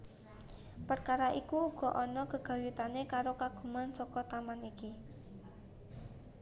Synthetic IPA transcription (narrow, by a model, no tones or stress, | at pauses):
pərkaɾaʔikuːɡ̥ɔ̤ʔɔnɔkəɡ̥a̤wit̪anekaɾokaɡ̥ṳmansɔkɔt̪amaniki